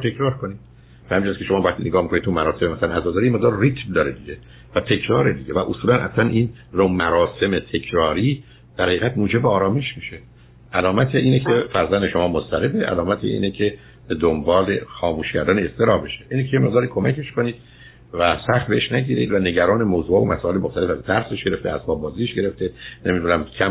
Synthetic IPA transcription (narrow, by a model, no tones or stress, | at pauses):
t̪ʰekɾɒːɾkoniːd̥̪ | behæmid͡ʒæskʰe̞ʃomɒːvæχt̪ʰiːneɡɒːhmikʰonit̪t̪umæɾɒːsememæsælænæzɒːd̪ɒːɾijeme̞ʁd̪ɒːɾrit̪ʰmd̪ɒːɾed̪iɟe | væt̪ʰe̞cʰɾɒːɾed̪iɟevæʔosuːlænʔæslænʔin | romæɾɒːse̞met̪ʰe̞cʰɾɒːɾiː | d̪̥æɾhæiːɣæt̪muːd͡ʒe̞beɒːɾɒːme̞ʃmiːʃe | ʔælɒːmæt̪ʰeʔiːnecʰefæɾzænd̪e̞ʃo̞mɒːmost̪æɾe̞beʔæ̰lɒːmæt̪ʰḛʔḭːnecʰe | b̥e̞d̪ombɒːle̞xɒːmuːʃcæɾd̪æːneest̪e̞ɾɒːbe̞ʃe̥ʔiːnecʰejeme̞ʁd̪ɒːɾiːkʰo̞mæcʰe̞ʃko̞niːd̪̥̚ | væsæxt̪̚beeʃnæɟiːɾeḭːd̪væne̞ɟæɾɒːnemoːzuːhɒːvomʔæsɒːe̞lemoxt̪ælefæzt̪ʰæɾse̞ʃɟe̞ɾeft̪ʰḛæ̰spɒːb̚bɒːziːʃɡe̞ɾe̞ft̪enemid̪uːnæmcʰæ